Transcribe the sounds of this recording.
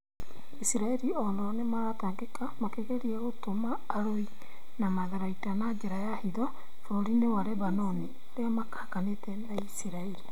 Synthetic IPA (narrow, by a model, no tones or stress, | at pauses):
isiɾaɛɾiɔnɔnemaɾataːŋɡekamakeɣeɾiɛɣotomaːɾoi | namaðaɾaitanad͡ʒeɾajahiðɔ | fɔɾinewaɾɛβanɔni | oɾeamakḁkanetɛnaisiɾaeɾi